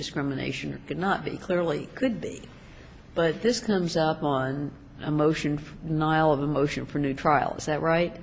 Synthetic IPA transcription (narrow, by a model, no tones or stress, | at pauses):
dɨskɹɪmɨnḛɪʃɨ̃nə̰˞kʰɨdⁿnət̚b̥ḭkʰl̥ɪɹlˠikʰɨd̚bḭ | b̥ʌt̪̚ðɪskʰʌ̃mzʌpn̩ | əmoʊʃɨ̃nfnaɪl̩ˠʌvəmoʊʃɨ̃nfə˞nʉtʰɹ̥aɪl̩ˠə̰z̥ðɨt̚ɹaɪt̚